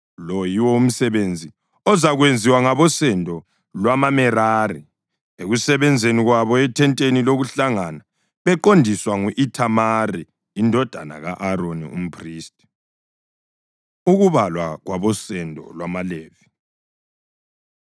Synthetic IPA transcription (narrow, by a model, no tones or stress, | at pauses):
lɔjiwɔum̩sɛβend͡zʱi | ɔzaɣwend͡zʱiwaŋaβɔsɛndʱɔ | lwamamɛraːri | eɣusɛβɛnd͡zʱeniɣwaβɔɛtʰɛntʼeniloɣuɬaŋana | βɛǃondʱiswaŋuʔitʰamariː | ndʱɔd̥ʱa̰na̰ɣa̰ʔaɾonḭṵm̩pʰriːstʼi̥ | uɣuβalwaɣwaβɔsɛndʱɔ̰lwamaleːvi